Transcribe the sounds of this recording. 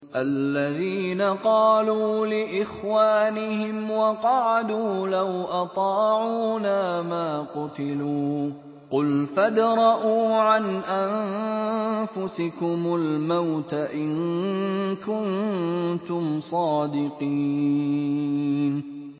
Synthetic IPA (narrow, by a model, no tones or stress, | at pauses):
ʔalːaðiːnaqɑːluːlɪʔɪxwaːnɪhɪmwɑqɑʕad̪uːlawʔɑt̪ˤɑːʕuuːnaːmaːqʊt̪ɪluː | qʊlfad̪ɾˤɑʔuːʕanʔam | fʊsɪkʊmʊlmawt̪aʔɪn | kʊnt̪ʊmsˤɑːd̪ɪqiː | n